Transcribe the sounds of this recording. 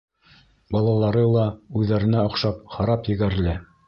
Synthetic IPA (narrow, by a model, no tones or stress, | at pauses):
bɑlˠɑlˠɑɾɤlˠɑʉðːæɾɘ̆næŏqʃɑpχɑɾɑpjɘ̆ɡæɾɘ̆lɘ